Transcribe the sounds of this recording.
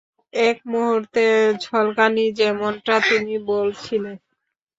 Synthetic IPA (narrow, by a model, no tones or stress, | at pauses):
ek̚moɦuɾt̪ed͡ʑʱɔlkanid͡ʑɛmonʈat̪inibolt͡ɕʰilen